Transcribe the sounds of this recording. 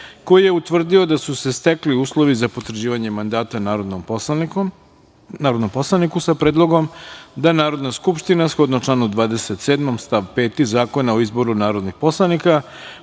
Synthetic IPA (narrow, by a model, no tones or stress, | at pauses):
ko̞jije̞ut̪ʋr̩d̪io̞d̪asuse̞st̪ekliuːslˠo̞ʋizapo̞t̪ɾ̩d͡ʑiːʋaɲe̞mand̪aːt̪an | naːɾod̪nomposlˠanikusapɾeːd̪lˠo̞ɡo̞md̪anaːɾo̞d̪naskupʃt̪inasxo̞d̪not͡ʃlˠanud̪vʋaːd̪e̞set̪seːd̪mo̞mst̪aʋpeːt̪izaːko̞naoizbo̞ɾunaːɾod̪nixpo̞slˠanika